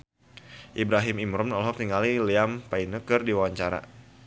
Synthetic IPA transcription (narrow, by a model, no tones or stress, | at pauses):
ʔibɾaɦimimɾɔmnɔlɦɔk̚t̪iŋaliliampainəkɨrdiwawaɲt͡ʃaɾa̰